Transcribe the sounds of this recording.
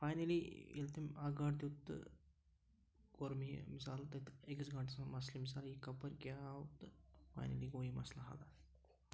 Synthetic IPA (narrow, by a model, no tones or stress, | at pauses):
fajnɐliḛlt̪imaɡaʈt̪ut̪ː | koɾmḭmisalt̪ɐt̪ekəsɡaɳʈsamɐslimisaljikɐpəɾkaawut̪fa̰jnɐ̰liɡoːjimɐslaɦa̰la